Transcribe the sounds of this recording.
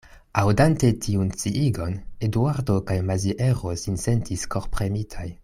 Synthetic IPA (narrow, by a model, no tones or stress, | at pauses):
awdante̞tʰiunt͡siʔiɡo̞neduaɾdo̞kajmaziʔeʁosinse̞ntʰisko̞ɾpɾe̞mitʰaj